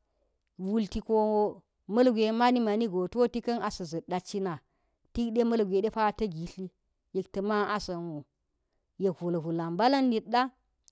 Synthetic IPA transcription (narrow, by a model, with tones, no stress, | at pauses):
wu˨lti˨ko˦˨˦ | mɐ˦lɡʷe˨ma˦ni˦ma˨ni˦ɡo˨to˦ti˦kɐ˦na˨sɐ˨zɐ˨ɗa˨t͡ʃi˦na˨ | ti˦kɗe˦mɐ˦lɡʷe˨ɗe˦pa˦tɐ˦ɡi˨ɬi˦ | ji˨ktɐ˨ma˦a˦sɐ˨no˨ | je˨kvu˨lo˨ɦu˨la˨mba˦la˦nːi˨tɗa˦